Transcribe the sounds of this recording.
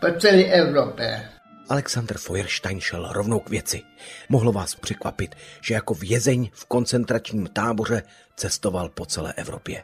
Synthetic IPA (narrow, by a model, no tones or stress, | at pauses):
pat͡sɛliʔɛuɾope | ʔalɛksand̪r̩fojɛɾʃt̪ajnʃɛlɾovnowkvjɛt͡sɪmoɦlovaːspr̝̥ɛkva̰pɪt̪ʒ̥ɛjako̞vjɛzɛɲfko̞nt͡sɛnt̪ɾat͡ʃɲiːmt̪aːbo̞r̝ɛ | t͡sɛst̪o̞valpo̞t͡sɛlɛ̰ːʔɛvɾo̞̰pjɛ̰